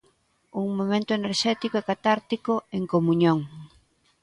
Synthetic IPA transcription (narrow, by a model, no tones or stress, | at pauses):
uŋmomẽnt̪ʊeneɾʃɛt̪ikoɛkat̪aɾt̪ikoeŋkomuɲõŋ